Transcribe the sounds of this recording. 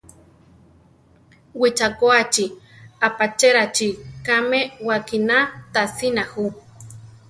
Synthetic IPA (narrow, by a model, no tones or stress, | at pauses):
wit͡ʃakoat͡ʃi | apat͡ʃeɾat͡ʃikamewakinat̪asinahu